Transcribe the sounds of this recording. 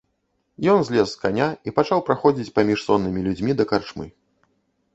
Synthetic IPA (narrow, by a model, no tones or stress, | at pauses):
jɔnzʲlʲɛsːkanʲaipat͡ʂawpɾaxɔd͡zʲit͡sʲpamʲiʂsɔnːɨmʲilʲud͡zʲmʲid̪ɐkart͡ʂmɨ̰